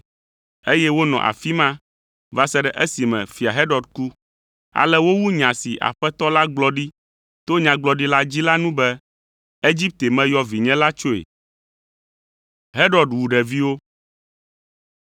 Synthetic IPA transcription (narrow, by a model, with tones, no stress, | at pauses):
e˦jɛ˦wo˦nɔ̰̃˨ʔa̰˨fi˦mã˦ | va˨sɛ˦ɖɛ˨ʔe˦si˨mɛ̰̃˨fi˨a˨ɦɛ˦ɖɔ˨ɖku˦ | a̰˨lɛ˦wo˦wu˦ɲã˨si˨ʔa̰˨ɸɛ˦t̪ɔ˦la˦ɡ͡blɔ˦ɖi˦ | t̪o˦ɲã˨ɡ͡blɔ˨ɖi˦la˦d͡ʑi˦la˦nũ˦bɛ˦ | e˦d͡ʑi˦p̚t̪e˨mɛ̃˦jɔ˦vi˨ɲɛ̃˦la˦t͡ʃo˦ḛ˨ | ɦɛ˦ɖɔ˨ɖwu˨ɖɛ˨vi˦wo˦